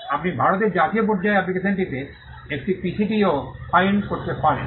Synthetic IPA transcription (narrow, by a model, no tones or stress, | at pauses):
apnibʱaɾot̪̬eɾd͡ʑat̪iop̬ɔɾd͡ʑaeapnikeseɳʈit̪e | ek̚ʈipisʰiʈiopʰajnkoɾt̪epan